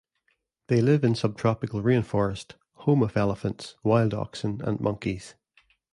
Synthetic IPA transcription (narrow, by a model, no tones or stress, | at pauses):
ðelˠɪvɪ̃nsʌb̚tʰɹ̥ɔpɪkəlˠɹiɪ̃nfɔɹəst | hõməvɛlˠɪfə̃ntswaɪlˠdɔ̰ksə̃nə̰̃nmʔʌ̃ŋkʰiz̥